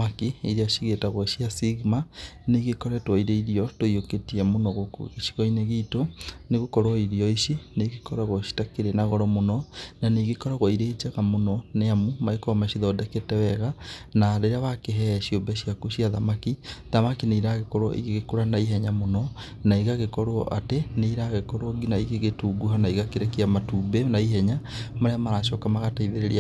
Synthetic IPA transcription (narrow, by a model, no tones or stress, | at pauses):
akiiɾeaʃiɣetaɣwɔʃiasiɣmaneɣekɔɾɛtwɔiɾeiɾiɔtoioketiɛmonɔɣokeʃi̥ɣɔineɣitoneɣokɔɾwaiɾiɔiʃeneɣekɔɾaɣwɔʃi̥takeɾenaɣɔɾɔmonɔnaneɣekɔɾaɣwɔiɾet͡ʃɛɣamonɔneamumaekɔmaʃiðɔdɛketɛwɛɣanaɾeɾeaβakeɦɛʃiombɛɕiakuʃiaðamakiðamakineiɾaɣekɔɾwɔ̰ʔḭɣeɣekoɾanaiɦɛɲamonɔ | naiɣaɣekɔɾoɔ̰ʔateneiɾaɣekɔɾwɔɡinaiɣeɣetuːɡuɦanaiɣakeɾɛkiamatuːbenaiɦɛɲamaɾeamaɾaʃɔːkamaɣataiðeɾeɾia